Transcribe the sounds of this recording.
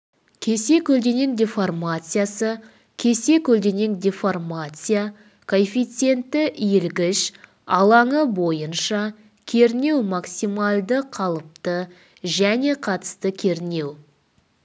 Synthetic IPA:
kʲʰe̞se̞kʲʰɵld̪e̞ŋe̞ŋd̪ʲeformat̪sɨjasə | kʲʰe̞se̞kʲʰɵld̪e̞ŋe̞ŋd̪ʲeformat̪sɨja | kʰo̞nfʲijt̪se̞nt̪ːɪʔjelɡʲɪʃ | ɑlˠɑɴəbo̞jənʃɑ | kʲʰe̞ɾne̞wmɑksimɑlˠd̪əqʰɑlˠəp̚t̪ə | ʒæne̞qʰɑt̪ə̥st̪əkʲʰe̞ɾne̞w

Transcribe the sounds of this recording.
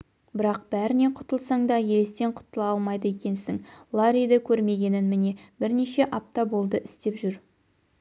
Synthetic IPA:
bɪɾɑqb̥æɾɪne̞qʰʊ̥t̪əlˠsɑɴd̪ɑje̞lest̪e̞ɴqʰʊ̥t̪əlˠɑlˠmɑjd̪əe̞kʲe̞nsɪŋlˠɑɾʲijd̪əkʲʰɵɾme̞ɡʲe̞nɪnmɪne̞bɪɾne̞ʃe̞ʔɑp̚t̪ɑbo̞lˠd̪əʔɪst̪e̞pʒʏɾ

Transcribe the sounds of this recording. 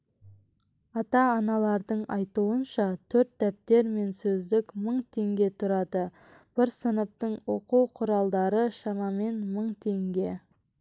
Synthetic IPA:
ɑt̪ɑːnɑlˠɑɾd̪əɴɑjt̪uənʃɑt̪ʰɵɾt̪ːæp̚t̪e̞ɾme̞nsɵzd̪ɪkməɴt̪ʰe̞ŋɡʲe̞t̪ʰʊɾɑd̪ə | b̥ɪɾsənəp̚t̪əɴwo̞quwqʰʊɾɑlˠd̪ɑɾəʃɑmɑme̞nməɴt̪ʰe̞ŋɡʲe̞

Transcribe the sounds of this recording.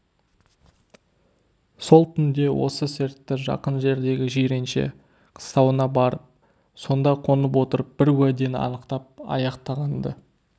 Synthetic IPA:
so̞lˠt̪ʰʏnd̪e̞wo̞̰səsɪɾt̪ːɪʒɑ̰qənʒe̞ɾd̪e̞ɡʲɪʒeɾe̞nʃe̞̰ | qʰə̥st̪ɑwənɑbɑɾəp̚ | so̞nd̪ɑqʰo̞nəp̬wo̞t̪əɾəp̚b̥ɪɾwæd̪e̞nɑ̰nəqt̪ɑp̚ɑ̰jɑqt̪ɑʁɑnd̪ə

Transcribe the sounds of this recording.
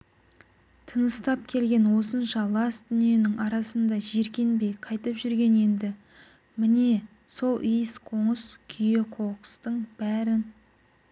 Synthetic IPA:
t̪ʰənəst̪ɑp̚kʲʰe̞lɡʲe̞nwo̞sənʃɑlˠɑsd̪ʏnije̞nɪŋɑɾɑsənd̪ɑʒe̞ɾkʲe̞nbe̞jqʰɑjt̪əpʒʏɾɡʲe̞ne̞nd̪ɪ | mɪne̞ | so̞lˠijəsqʰo̞ɴəskʲʰʏje̞qʰo̞qə̥st̪əɴb̥æɾɪn

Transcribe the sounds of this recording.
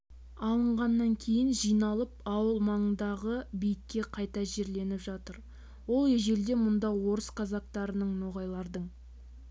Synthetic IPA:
ɑlˠəɴʁɑnːɑŋkʲʰe̞jɪnʒijnɑlˠəpɑwəlˠmɑɴənd̪ɑʁəbijɪkʲːe̞qʰɑjt̪ɑʒe̞ɾle̞nɪpʒɑt̪əɾ | wo̞lˠeʒe̞ɾd̪e̞mʊnd̪ɑwo̞ɾəsqʰɑzɑq̚t̪ɑɾənəɴnoʁɑjlˠɑɾd̪əɴ

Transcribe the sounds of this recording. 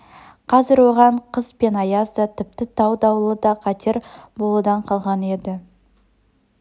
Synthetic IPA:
qʰɑzɪɾwo̞ʁɑɴqʰəspe̞nɑjɑzd̪ət̪ʰɪp̚t̪ɪt̪ʰɑwd̪ɑwlˠəd̪ɑqʰɑt̪ʰe̞ɾbo̞lˠud̪ɑɴqʰɑlˠʁɑne̞d̪ɪ

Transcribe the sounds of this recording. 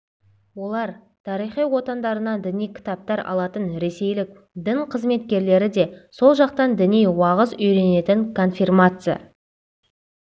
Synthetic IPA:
wo̞lˠɑɾ | t̪ʰɑɾijχijwo̞t̪ɑnd̪ɑɾənɑd̪ɪnijkʲʰɪ̥t̪ap̚t̪ɑɾɑ̰lˠɑt̪ənɾe̞se̞jlɪk̚ | d̪ɪɴqʰəzme̞t̪kʲe̞ɾle̞ɾɪd̪e̞so̞lˠʒɑq̚t̪ɑnd̪ɪnijwɑʁəzʏjɾe̞ne̞t̪ɪŋkʰo̞nfirmat̪sɨja̰

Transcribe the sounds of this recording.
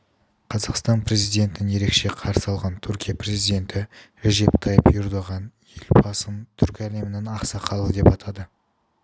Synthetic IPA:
qʰɑzɑqst̪ɑnpʰɾe̞zijd̪e̞nt̪ɪnɪnje̞ɾe̞kʃe̞qʰɑɾsəɑlˠʁɑnt̪ʰʏɾkʲijapre̞zijd̪e̞nt̪ɪɾeʒe̞pt̪ʰɑjəpjʊɾd̪ɑʁɑnjelbɑsənt̪ʰʏɾkʲæle̞mɪnenɑqsɑqʰɑlˠəd̪e̞pɑt̪ʰɑd̪ə

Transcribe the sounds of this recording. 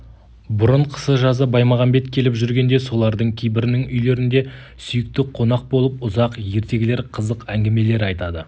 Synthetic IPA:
bʊɾəɴqʰə̥səʒɑzəbɑjmɑʁɑnbe̞t̪kʲʰe̞lɪpʒʏɾɡʲe̞nd̪e̞so̞lˠɑɾd̪əɴkʲʰejbɪɾɪnɪŋʏjle̞ɾɪnd̪e̞ | sʏjɪk̚t̪ɪqʰo̞nɑq̚bo̞lˠəp̚ʊzɑqje̞ɾt̪e̞ɡʲɪle̞ɾqʰəzəqæŋɡʲɪme̞le̞ɾɑjt̪ɑd̪ə

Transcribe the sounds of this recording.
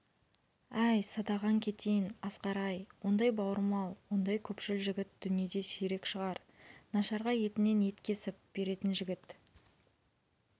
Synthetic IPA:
æjsɑd̪ɑʁɑŋkʲʰe̞t̪e̞jɪnɑsqɑɾɑjwo̞nd̪ɑjbɑwəɾmɑlˠwo̞nd̪ɑjkʲʰɵpʃɪlʒɪɡʲɪt̪̚d̪̥ʏnije̞d̪e̞seɾe̞kʃəʁɑɾ | nɑʃɑɾʁɑje̞t̪ɪne̞nje̞t̪kʲe̞sɪp̚b̥e̞ɾe̞t̪ɪnʒɪɡʲɪt̪

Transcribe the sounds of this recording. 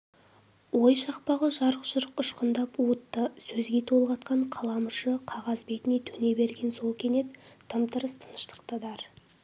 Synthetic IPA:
wojʃɑqpɑʁəʒɑɾqʃəɾəqʊʃqənd̪ɑpuət̪ːəsɵzɡʲe̞t̪ʰo̞lˠʁɑt̪̚qɑɴqʰɑlˠɑməʃəqʰɑʁɑzbe̞k̪ʲɪne̞t̪ʰɵne̞be̞ɾɡʲe̞nso̞lˠkʲʰe̞ne̞t̪ʰːəmt̪ʰəɾəst̪ʰə̥nə̥ʃt̪ə̥qt̪əd̪ɑɾ

